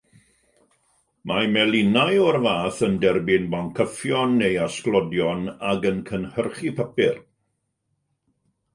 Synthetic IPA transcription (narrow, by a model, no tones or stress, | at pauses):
mʔamɛlˠɪnajɔrvaːθəndɛrbɪnbaŋkʰəfjɔnːejasklˠɔdjɔnaɡənkʰənhərχipʰəpɪr